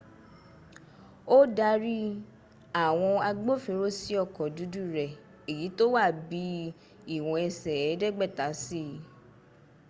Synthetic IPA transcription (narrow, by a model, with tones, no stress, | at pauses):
o˦da˧ɾi˦ | a˦˨w̃ɔ̃˧a˧ɡ͡bo˦fe˧ɾo˦si˦ɔ˦˨kɔ˨du˨˦du˦˨ɾɛ˨ | e˨ji˨˦to˦wa˦˨bi˨˦ | i˨w̃ɔ̃˧ɛ˧sɛ˨ɛ˨˦dɛ˦ɡ͡bɛ˦˨ta˨˦si˦˨